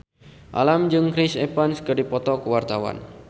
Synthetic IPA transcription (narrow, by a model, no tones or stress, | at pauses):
ʔa̰lamd͡ʒɨŋkɾɪsepanskərdipɔt̪ɔkəwart̪awa̰n